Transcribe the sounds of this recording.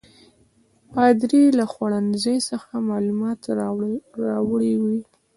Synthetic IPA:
pɑd̪ɾilaxwaɽanzəjsəxamɑlumɑt̪ | ɾɑwɽiwi

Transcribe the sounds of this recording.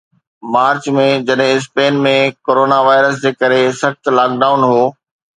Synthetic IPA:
maːɾt͡ɕmẽd͡ʑɐɗɦɪ̃ɪs̬peːnmẽkoːɾoːnaʋaːɪɾəs̬d͡ʑeːkɐɾesɐxt̪laːk̚ɖaːʊnɦoː

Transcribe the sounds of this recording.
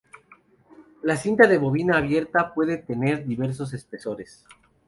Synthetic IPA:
lasint̪aðe̞βo̞βinaːβje̞ɾt̪apwe̞ðe̞t̪e̞ne̞ɾðiβe̞ɾs̬o̞s̬e̞speso̞ɾes

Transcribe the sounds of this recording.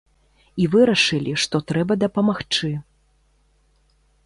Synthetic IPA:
ivɨɾɐʂɨlʲiʂt̪ɔt̪ɾɛbɐd̪ɐpɐmaxt͡ʂɨ

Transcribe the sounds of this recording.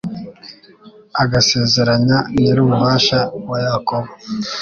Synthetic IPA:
aɡase̞ːze̞ɾaɲaneɾuːmuβaːʃawajakoβo

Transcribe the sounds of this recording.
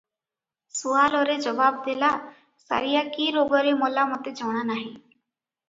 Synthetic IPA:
suaːlɔɾed͡ʒəʋaːb̚d̪elaː | sa̰ːɾijakiːɾoːɡəɾemoːlamət̪ed͡ʒʱəʋɽ̃anaːɦĩː

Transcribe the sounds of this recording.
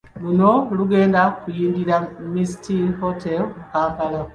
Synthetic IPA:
lunoluɡeːndakujiːŋɡiɾamisi̥tihotʰelmukaːŋkala

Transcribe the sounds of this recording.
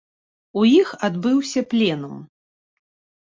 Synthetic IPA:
ujixad̪bɨwsʲɐplʲɛnum

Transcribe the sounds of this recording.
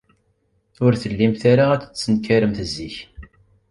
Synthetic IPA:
ʊɾθəlːimθaɾaæt͡sə̥t͡sːənkːaɾəmθəzːiç

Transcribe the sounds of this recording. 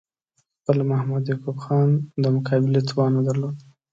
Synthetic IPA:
xpəlmahmad̪jakubxɑnd̪əmʊkʰɑbɪlet͡s̪wɑnad̪aɾlod̪

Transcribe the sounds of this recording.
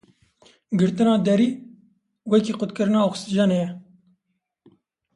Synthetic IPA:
ɡɨɾt̪ɨnɑːd̪ɛɾiː | wɛkiːqʊt̪kɨɾɨnɑːoxsɨd͡ʒɑːneːjɛ

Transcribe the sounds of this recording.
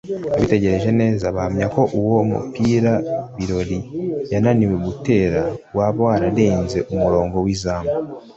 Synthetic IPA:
aβite̞ɟe̞ɾe̞ʒe̞ne̞ːzaβahamɲako̞ʔuwo̞mṵpiːɾaβiɾo̞ɾijananiwe̞ɡute̞ːɾawaːβwaːɾaɾe̞ːnze̞ʔumuɾo̞ːŋɡo̞wiːzaːmba

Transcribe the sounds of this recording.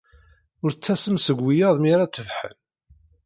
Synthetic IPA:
ʊɾt͡sːæsəmsəɡʷːijəðˤmiɾat͡sːəvħə̰n

